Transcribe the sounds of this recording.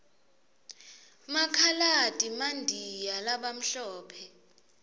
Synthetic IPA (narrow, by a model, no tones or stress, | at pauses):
makʰalad̥ʱʼimandʱijalaɓam̩ɬɔːpʰɛ